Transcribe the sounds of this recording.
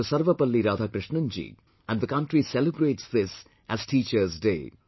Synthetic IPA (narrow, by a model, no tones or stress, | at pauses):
əsɐɾʋɐpɐlːiɾaːd̪ʱaːkɾɪʃɳɐ̃nd͡ʒḭ | æ̃ɳɖd̪əkʌ̃ɳʈɾisɛləbɾeːʈsd̪ɪs | ʔæzʈiːt͡ʃəɾzɖeː